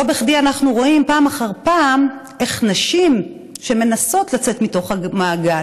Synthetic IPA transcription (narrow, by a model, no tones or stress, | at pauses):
obeχdianaχnuʁo̞impaːmaχaʁpaːmʔe̞χnaʃim | ʃe̞me̞naso̞tlat͡se̞tmito̞χamaːɡal